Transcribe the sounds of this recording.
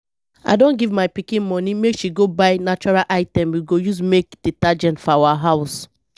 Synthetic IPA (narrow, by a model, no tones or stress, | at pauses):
a̰ɪdõnɡivmaɪpikĩnmɔ̃nimekʃiɡobaɪnat͡ʃɔɹalʔaɪtɛ̃mwiɡojus̬mek̚d̥itad͡ʒɛ̃ntfɔawaɦaʊs